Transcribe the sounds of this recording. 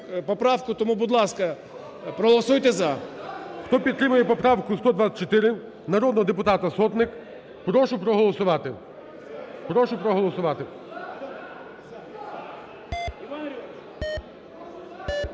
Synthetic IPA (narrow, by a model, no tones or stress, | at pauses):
pɔpɾɑwkʊt̪ɔmubʊd̪lˠɑskɐ | pɾɔɦɔlˠɔsujt̪ɛzɐxt̪ɔpʲid̪t̪ːɾɪmʊjɛpɔpɾɑwkʊst̪ɔd̪ʋat͡sʲːɐt̚ʲt͡ʃɔt̪ɪɾɪ | nɐɾɔd̪nɔɦɔd̪epʊt̪ɑt̪ɐsɔt̪nɪk | pɾɔʃʊpɾɔɦɔlˠɔsʊʋɑt̪ɪ | pɾɔʃʊpɾɔɦɔlˠɔsʊʋɑt̪ɪ